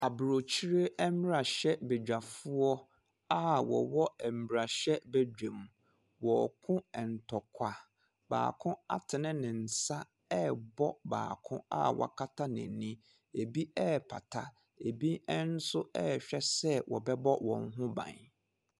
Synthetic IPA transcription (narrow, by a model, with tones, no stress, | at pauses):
a˨bɾo˨t͡ɕʰi˦ɾe˦ɛ˦m˦ɾa˨ɕɛ˦be˨d͡ʑᶣa˨fu˦ɔ˦ | a˦wɔ̰˨wɔ˦ɛ˨m̩˨bi˨ɾa˨ɕɛ˦bæ˦d͡ʑᶣẽ˨m | wɔ˨kʰʊ̃˦ɛ˨n̩˨tʰɔ˨kʷʰa˨ | ba̰ː˨kʰʊ̃˦a̰˦tʰɪ˨nɪ̃˦nɪ̃˨n̩˨sa˦ | ɛ˦bɔ˦ba̰ː˨kʰʊ̃˦a̰˦wɔ̰˨kʰa˦tʰa˦nɪ̰̃˨nĩ˦ | e˨bi˦ɛ˦pʰa̰˨tʰa˨ | e˨bi˦ɛ˦n̩˦sʊ˦ɛ˦ɕᶣɛ˦sɛ˦wɔ̰˨bɛ˦bɔ˦wɔ̰̃˨n˦ɦʊ̃˦bã̰˨n